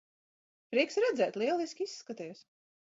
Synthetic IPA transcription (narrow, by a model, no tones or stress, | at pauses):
pɾiɛksɾɛd̪zɛːt̪lˠiɛlˠiskʲisːkat̪ɛjs